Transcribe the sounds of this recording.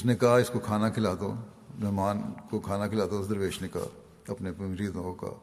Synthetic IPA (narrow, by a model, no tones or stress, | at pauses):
ɪsnekɐaɦaɪskokʰaːnakʰɪlaːd̪o̰ː | bɐmaːnkokʰaːnakʰɪlaːd̪oɪsd̪ɐɾʋeːʃneka̰ | ɐpnepɾiːd̪õka̰